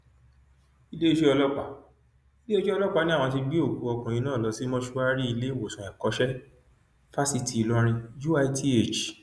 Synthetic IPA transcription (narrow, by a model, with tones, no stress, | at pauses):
i˦le˦e˧ʃe˦ɔ˧lɔ˦k͡pa˦˨ | i˦le˦e˦ʃe˦ɔ˧lɔ˦k͡pa˧˨nĩ˦ã˦˨ɔ̃˧ti˧ɡ͡bi˦o˦˨ku˨˧˦ɔ˧kũ˨ĩ˧nãː˦˨lɔ˨˧˦si˦mɔ̃˧ʃu˧˦a˦ɾi˦i˧le˦˨wo˨sũ˨ɛ˨kɔ˧˦ʃɛ˦ | fa˦si˦˨ti˨˧lɔ˧˦ɾ̃ĩ˧ju˦a˧i˧˦tʰi˦e˦˨t͡ʃ